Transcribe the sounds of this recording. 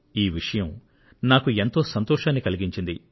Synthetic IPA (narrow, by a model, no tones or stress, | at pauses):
iːʋiʂɐjɐm | naːkue̞nt̪o̞ːsɐnt̪ɔːʂaːnːikɐliɡiɲt͡ʃind̪i